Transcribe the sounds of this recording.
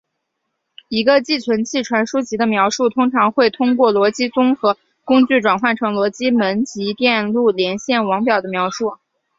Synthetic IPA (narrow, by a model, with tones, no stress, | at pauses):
i˧˥ɡə˧t͡ɕi˥˩t͡ɕʰɥə˧˥nt͡ɕʰi˥˩ʈ͡ʂʰwa˧˥nʂu˥t͡ɕi˧˥d̪ə˧mjɑ˧˥ʊʂu˥˩t̪ʰʊ˥ŋʈ͡ʂʰɑ˧˥ŋxwe˥˩ɪt̪ʰʊ˥ŋkwɔ˥˩lwɔ˧˥t͡ɕi˥t͡sʊ˥ŋxɤ˧˥ | kʊ˥ŋt͡ɕy˥˩ʈ͡ʂwa˨˩nxwa˥˩nʈ͡ʂʰɤ˧˥ŋlwɔ˧˥t͡ɕi˥mə˧˥nt͡ɕi˧˥t̪jɛ˥˧nlu˥˩ljɛ˧˥nɕjɛ˥˩nwɑ˧˥ŋpjɑ˨˩ʊd̪ə˦mjɑ˧˥ʊʂu˥˩